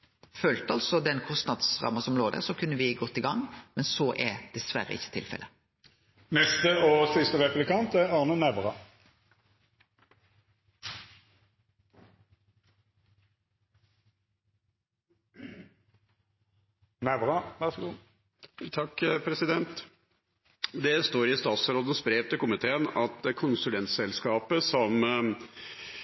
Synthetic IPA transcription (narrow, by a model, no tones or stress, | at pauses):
føːlt̪əɑlsɔd̪ɛnkʰɔst̪nɑd̪sʁɑ̰mːɑsɔmloːd̪æ̰ʁsɔkʰʉnːəʋɪɡɔt̪ːɪɡɑŋːmɛnsoːʔɛd̪̥ɛsʋæ̰ɾə̰ɪ̰çːə̥t̪ʰɪ̰lfɛ̰lə | nɛst̪əoːsɪst̪əʁɛpʉblɪkɑnt̪æʁɑʁnənæʋʁɑ | næʋʁɑʋæʁsɡuː | t̪ʰɑkːpʰɾɛsɪd̪ɛnt̪ | d̪ɛst̪oːɾɪst̪ɑːt̪sɾoːd̪ənspɾeːt̪əkʊmɪt̪ʰeːənɑt̪ɛkʰʊnsʉlɛnt̪sɛlskɑːpəsɔm